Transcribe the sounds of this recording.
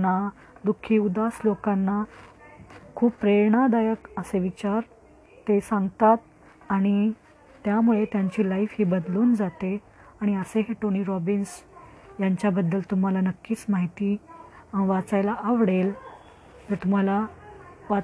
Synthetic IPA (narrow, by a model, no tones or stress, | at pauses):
na | d̪ukʰːiːud̪aslokanːa | kʰuːbpɾeɾɳad̪ajəkəseʋit͡ɕaɾ | t̪esãŋɡt̪at̪̚ | aɽ̃i | t̪jamuɭet̪jaɲt͡ɕiːlaifɦiːbəd̪luːnd͡zat̪e | aɽ̃iəseɦeʈoniːɾɔbinsjaɲt͡ɕjabəd̪ːəlt̪um̤alanəkːiːt͡smaɦit̪iːãʋat͡sajlaʔaʋɽel | t̪ət̪um̤alaʋa